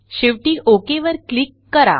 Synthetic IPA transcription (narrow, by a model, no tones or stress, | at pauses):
ɕeʋʈiːʔokeʋəɾklikːəɾa̰